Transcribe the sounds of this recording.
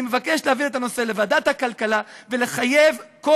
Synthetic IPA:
ime̞vake̞ʃleavilet̪ano̞se̞le̞vad̪at̪hakalkalave̞le̞χaje̞vko

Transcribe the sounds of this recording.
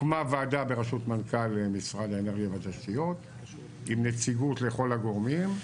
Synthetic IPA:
mavaːdabeʁaʃut̪mankalemisʁad̪aeneʁɡjavat̪aʃt̪ijot̪ | imnet͡siɡut̪le̞χolaɡo̞ʁmim

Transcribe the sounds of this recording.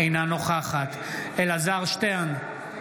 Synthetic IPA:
ejnano̞χaχat̪ | elazaʁʃt̪en

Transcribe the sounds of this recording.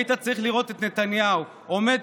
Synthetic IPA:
it̪at͡saʁiχliʁo̞t̪e̞t̪ne̞t̪anjau | ome̞d̪

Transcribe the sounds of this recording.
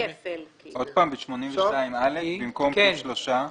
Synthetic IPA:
ʔo̞d̪̚paːmbeʃmo̞nimveʃtaimalefbimko̞mʃloʃa

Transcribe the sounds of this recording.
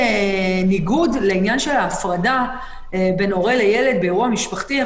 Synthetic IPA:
niɡudleinjanʃe̞laːfʁada | be̞no̞ʁeleje̞le̞d̪̚beeʁuamiʃpaχt̪i

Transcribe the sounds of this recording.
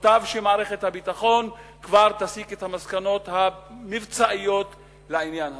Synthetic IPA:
t̪avʃemaːʁeχe̞t̪habit̪aχo̞nkvaʁt̪asiket̪hamaskano̞t̪hamivt͡saʔijo̞t̪ | lainjanha

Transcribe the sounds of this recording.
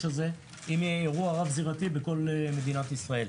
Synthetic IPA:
alze̞ | imjeːʁuaʁavziʁat̪ibeko̞leme̞d̪inat̪isʁae̞l

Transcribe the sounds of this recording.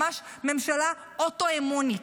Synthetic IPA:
aʃ | memʃala | otoemoni

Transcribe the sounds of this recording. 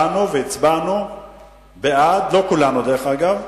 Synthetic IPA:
anuveit͡sbanu | bead̪lo̞kulanud̪eʁeχaɡav

